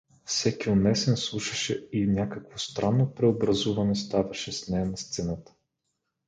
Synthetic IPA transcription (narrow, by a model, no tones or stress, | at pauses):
fsɛkiʊnɛsɛnslˠuʃɐʃɛinʲakəkvost̪ɾanːopɾɛobɾɐzuvɐnɛst̪avɐʃɛsnɛjɐnɐst̪sɛnat̪ə̥